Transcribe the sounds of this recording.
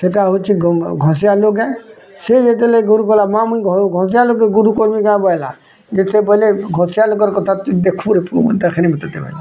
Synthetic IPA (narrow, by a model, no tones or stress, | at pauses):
seʈaɦot͡ʃʰiɡɡʱɔ̃sijaloɡɛ | sejet̪̬eleɡuɾukɔlamãmujɡɡʱɔ̃s̬ijaloɡeɡuɾukoɾmiɡãbɔjla̰ | d͡ʒesebɔleɡʱɔ̃sijaloɡɔɾkɔt̪ʰat̪d̪ekʰuɾepʰud̪əkʰenimɔt̪ɔt̪eba̰l